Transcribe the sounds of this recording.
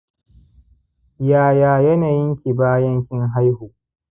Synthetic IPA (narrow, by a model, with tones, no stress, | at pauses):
jaː˨jaː˨jɐ˦naː˨jɪ˦ŋkʲi˨baː˦jɐ˦ŋkʲɪ˦ŋɦa˦jhuː˨